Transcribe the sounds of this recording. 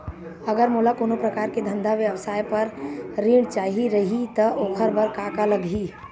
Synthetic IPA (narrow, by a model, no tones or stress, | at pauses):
ɐɡəɾmoːlakoːnopɾɐkaːɾked̪ʱɐ̃nd̪ʱaʋjəʋəsaːjpɐɾːiːɽt͡ʃaːɦiɾɐɦit̪ɐʔʊkʰəɾbɐɾkaːkalɐɡi